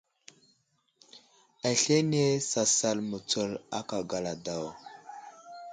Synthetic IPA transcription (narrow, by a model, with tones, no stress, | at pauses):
a˨ɬe˦ne˦sa˨sa˨lmu˨t͡sə˦la˦ka˨ɡa˨la˨da˦˨w